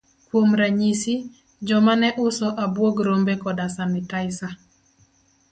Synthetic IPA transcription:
kwomɾaɲisi | d͡ʒɔmanɛʔʊsɔʔabwoɡɾombekɔdasanɪtaɪsa

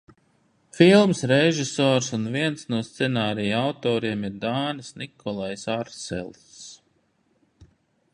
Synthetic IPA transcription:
filˠmsɾeʒisoːɾsunviɛnsnuɔst̪sɛnaːɾijawt̪ɔːɾiɛmiɾd̪aːnisnikʰɔlˠajsaɾsɛ̰lˠ | s

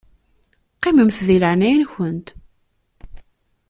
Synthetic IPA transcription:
qːiməmθðiləʕnæjnçənt̪

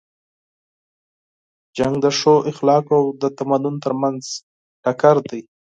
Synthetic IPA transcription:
d͡ʒaŋɡd̪əʂoʔɪxlɑkawd̪ət̪amad̪ʊnt̪əɾmanz | ʈakaɾd̪aj

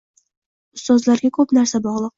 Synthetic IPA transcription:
ʊst̪ɒzlaɾɡʲakʰɵpnaɾsabɒʁlˠɨq̚

